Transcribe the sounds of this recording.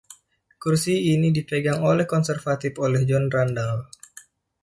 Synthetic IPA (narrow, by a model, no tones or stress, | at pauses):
kursiːnidipeɡaŋolɛhkɔnsɛrfat̪ifolɛhd͡ʒɔnrandal